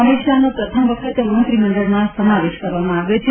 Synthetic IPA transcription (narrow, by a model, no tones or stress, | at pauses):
əmiʃanopɾət̪ʰəmʋəkʰət̪euɾə̃nt̪ɾiməɳɖəɭmasəmaʋeʃkəɾʋamãaʋjot͡ʃʰ